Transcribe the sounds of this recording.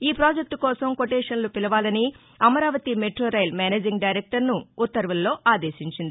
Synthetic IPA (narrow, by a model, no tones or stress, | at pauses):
iːpɾaːd͡ʒek̚t̪ukɔːsɐmkoʈeːʂɐnlupilɐʋaːlɐni | ɐmɐɾaːʋɐt̪imeʈɾoːɾɐjlmaːneːd͡ʒiŋɡɖɐjɾek̚ʈɐɾnuːt̪ːɐɾʋulːo̞ːʔaːd̪eːʃiɲt͡ʃind̪i